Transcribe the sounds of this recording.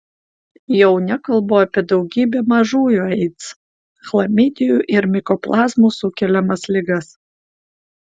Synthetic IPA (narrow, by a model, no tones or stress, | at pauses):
jɛʊnʲɛkɐlˠboːɑpʲiɛd̪ɒʊɡʲiːbʲɛmɐʒuːjuɛɪt̪s | xlˠɐmʲɪd̪ʲɪjuʔɪɾmʲɪkɔplˠɑːzmuːsʊkʲɛlʲɛmɐslʲɪɡɐs